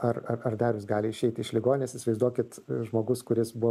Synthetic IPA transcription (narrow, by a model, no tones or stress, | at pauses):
ɐrɐɐrd̪ɑːɾʲʊs̬ɡɑːlʲɪɪʃʲɛɪt̪ʲɪɪʃlʲɪɡoːnʲnʲeɛsɪsʲʋɐɪzd̪uɔkʲɪt̪ʒmoːɡʊskʊɾʲɪsbʊ